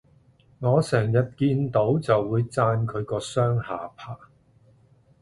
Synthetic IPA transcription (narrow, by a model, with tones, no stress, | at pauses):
ŋɔː˨˧sɛː˨˩ŋjɐ˨t̚kiː˧nt̪o˨˥wt͡sɐ˨wːuː˨˧jt͡saː˧nkʰɵ˨˧ɥkɔː˧sœː˥ŋhaː˨pʰaː˥˩